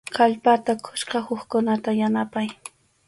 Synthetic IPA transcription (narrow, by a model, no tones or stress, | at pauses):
kʰaʎpat̪akʰʊ̥ʃqɑhʊχkʊnat̪ajanapaj